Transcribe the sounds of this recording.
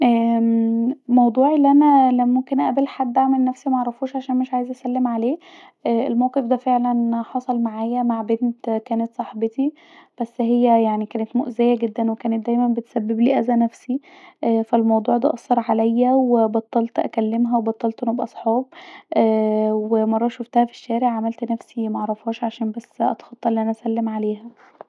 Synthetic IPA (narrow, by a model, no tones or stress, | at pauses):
ʔæː | mɑwd̪ˤuːʕilːiʔænælæmomkenʔæbelħad̪ːʔaʕmelnæfsimæʔɑʕɾˤːɑfuːʃʕaʃæːnmeʃʕaːjezʔæsælːemʕaleː | ʔæːʔelmæwqefd̪æfeʕlænħɑsˤɑlmaʕaːjæmaʕbent̪kæːnæt̪sˤɑħbet̪i | b̥æsːɦejːæjaʕnikæːnet̪moʔzejæɡed̪ːænwekæːnet̪̚d̪æjmænbet̪sæbːebliːʔæzænæfsiʔæːfælmɑwd̪ˤuːʕd̪æ̰ʔɑsˤːɑɾˤʕalæjːæwebɑt̪ˤːɑlt̪ʔæ̰kælːemɦæwebɑt̪ˤːɑlt̪ʔenubʔɑsˤħɑːb̚ʔæwemɑrˤːɑʃoft̪æhæfi̥ʃːæːɾeʕʕamælt̪næfsimæʕɑɾˤɑfhɑːʃʕaʃæːnbæsːʔɑ̰t̪xɑt̪ˤːɑʔelːiːʔænæʔæsælːemʕaleːhæ